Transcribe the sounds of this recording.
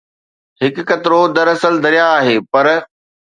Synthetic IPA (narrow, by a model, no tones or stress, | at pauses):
ɦɪkkɐt̪ɪɾod̪ɐɾɐsəld̪ʱɐɾijaːɦeːpɐɾ